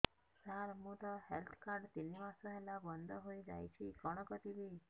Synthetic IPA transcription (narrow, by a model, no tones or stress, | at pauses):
saɾmũt̪ɔhelt̪ʰkaɾɖt̪inimasɔɦelabɔnd̪ʱɔɦojd͡ʒa̰jt͡ʃʰiɡɔɽ̃ɔkɔt̪ibi